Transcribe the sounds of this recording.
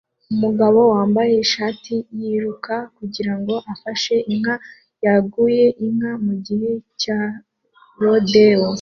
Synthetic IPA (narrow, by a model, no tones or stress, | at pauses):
umuɡaβo̞waːmbaje̞iʃaːtijiɾukakuɟiɾaŋɡo̞ʔafaʃe̞ʔiŋ̥ha | jaɡuje̞ʔiŋ̥hamuɟiheca | ɾodewo